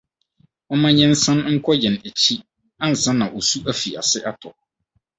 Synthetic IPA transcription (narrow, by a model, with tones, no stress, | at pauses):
ɔ˦mã˦ɲɛ̃˦n̩˦sã˦nŋ̩˦kʰɔ˦jɛ̃˨næ˨t͡ɕʰi˦ | ã˦n̩˨sã˦nã˨ʔo˨su˦ʔæ˦fi˨a̰˨sɪ˦ʔa˦tʰɔ˨